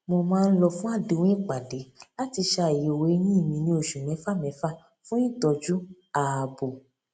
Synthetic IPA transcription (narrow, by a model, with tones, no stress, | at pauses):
mo˧mãː˦˧n̩˦lɔ˧fũ˦a˦˨de˨˧wẽ˦i˦˨k͡pa˨de˨˦la˦ti˧ʃa˧˨i˨e˨we˨˦nĩ˦˨mĩ˧nĩ˧˦o˧˨ʃũ˨mɛ̃˨˦fa˦mɛ̃˨˦fa˦ | fũ˦i˦˨tɔ˧d͡ʒu˦ | a˨bo˨